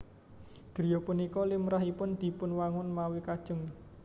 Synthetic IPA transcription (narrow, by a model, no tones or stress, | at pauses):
ɡ̥ɾi̤jɔpunikɔlɪmɾaɦipʊnd̪̥i̤pʊnwaŋʊnmawikad̥ʒ̥ə̤ŋ